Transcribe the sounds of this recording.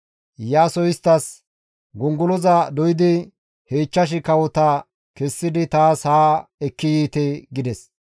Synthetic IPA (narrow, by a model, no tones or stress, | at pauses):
jaːsɔjɪst̪ːɐs | ɡʊŋɡʊlɔzɐd̪ɔjɪd̪ɪ | heːt͡ʃːɐʃ̬ɪkɐwɔt̪ɐ | kɛsːɪd̪ɪt̪aːshaːɛkːɪjiːt̪ɛɡɪd̪ɛs